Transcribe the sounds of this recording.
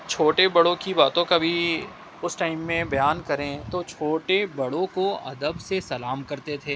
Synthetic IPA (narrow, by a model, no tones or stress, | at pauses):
t͡ʃʰoːʈebɐɽõkibaːt̪õkabʱi | ʊsʈaːɪmːẽbɐjaːnkɐɾẽt̪ot͡ʃʰoːʈebɐɽõkoɐ̰d̪əbsesɐlaːmkɐɾt̪et̪ʰeː